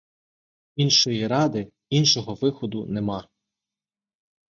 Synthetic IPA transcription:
inʃɔjiɾɑd̪ɪ | inʃɔɦɔʋɪxɔd̪ʊnemɑ

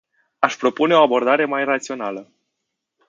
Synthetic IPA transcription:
aʃpɾo̞pune̞o̞abo̞rd̪aɾe̞majrat̪sio̞nalə

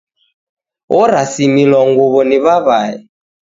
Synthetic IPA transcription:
ɔɾasimilwaŋɡuβɔniβaβaɛ̰

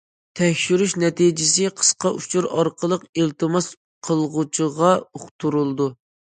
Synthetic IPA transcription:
t̪ʰɛkʲʃyɾyʃnɛt̪id͡ʒɪsɪqʰə̥sqɑʔut͡ʃʰuɾɑɾqʰəlˠəqelˠt̪ɨmɑs | qʰəlˠʁʊt͡ʃʰəʁɑoχt̪ʰuɾulˠd̪u

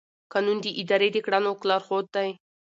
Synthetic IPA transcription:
kɑnund̪iʔɪd̪ɑɾed̪ekɽanoklɑɾxod̪̚ːaj

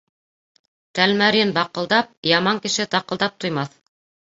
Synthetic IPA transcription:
t̪ælmæɾinbɑqɤ̆lˠd̪ɑp̚jɑmɑŋkɘ̆ʃɘt̪ɑqɤ̆lˠd̪ɑp̚t̪ŏjmɑθ

